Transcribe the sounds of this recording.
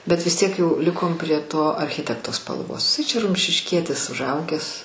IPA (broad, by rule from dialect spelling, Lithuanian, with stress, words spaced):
bʲɛt ʋʲɪs ˈtʲiɛk jɛʊ ˈlʲɪkoːm pʲrʲiɛ ˈtoː ɐrʲˈxʲɪtʲɛktoː spɐlˠˈʋoːs ɪˈsɐɪ ˈt͡ʃʲɛ rʊmʲʃʲɪʃʲˈkʲiɛtʲɪs ʊʒˈɐʊɡʲæːs